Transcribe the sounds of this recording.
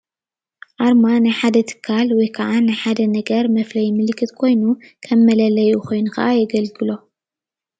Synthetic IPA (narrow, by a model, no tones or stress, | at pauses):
ʔaɾmanɨjħad̪ɐt̪ʰɨ̥kʰːalwɔjkʰɐʕanajħad̪ɐnɐɡɐɾmɐflɐjmɨlkʰːɨt̪kʰo̞jnukʰɐmːɐlɐlɐjukʰo̞jnukɐ̰ʔajɛɡɐlɡɨlo̞